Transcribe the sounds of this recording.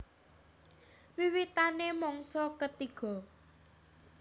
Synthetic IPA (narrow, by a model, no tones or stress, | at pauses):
wiwit̪anemɔŋsɔkət̪iɡ̥ɔ̤